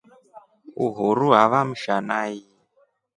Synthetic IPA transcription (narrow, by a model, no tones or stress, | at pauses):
ṵɦuɾuɦaβam̩ʃanaji